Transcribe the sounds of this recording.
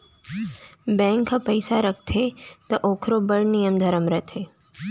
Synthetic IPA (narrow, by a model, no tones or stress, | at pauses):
bɛ̃ːŋkʰːãpɐɪsaɾɐk̚ʰt̪ʰet̪ɐʔoːkʰɾobɐɽnijəmd̪ʱɐɾəmɾət̪ʰeː